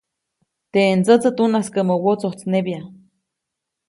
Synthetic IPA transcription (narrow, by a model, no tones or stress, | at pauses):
t̪ent͡sət͡sət̪unaskəmowot͡soht͡snebja